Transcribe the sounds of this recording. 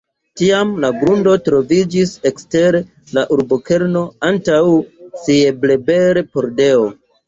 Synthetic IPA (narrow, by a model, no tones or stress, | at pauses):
tiamlaɡɾundo̞tɾo̞vid͡ʒise̞kste̞ɾe | laʔuɾboke̞ɾno̞antawsie̞ble̞be̞ɾepo̞ɾde̞o